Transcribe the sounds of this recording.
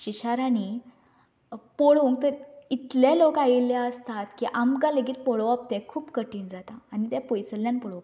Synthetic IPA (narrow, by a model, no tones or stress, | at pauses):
ɕiɕaɾani | poɭuŋk̚t̪əɾit̪lalokajilːjaəst̪at̪kiʔamɡãləɡiːt̪pɔɭoap̚t̪ɛ̃kʰuːpkəʈiːnd͡zat̪aːnit̪ɛ̃pojsəlːjanpɔɭop